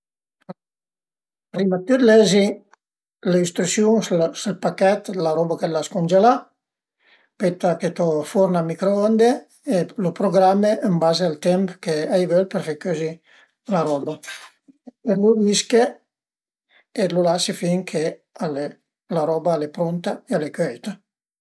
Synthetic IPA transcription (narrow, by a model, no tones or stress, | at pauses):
pɾimat̪ːyd̪lɛzi | leist̪ɾusjuŋsselpakɛt̪laɾɔbakɛlaskond͡ʒela | pet̪aket̪ɔfoɾnamikɾoond̪e | elopɾoɡɾameʔəmbazealt̪ɛmpkeajvølpəɾfekøzi | laɾɔba | eluviske | elulasifiŋkʰe | ale | laɾɔbaalepɾont̪aealekøjt̪a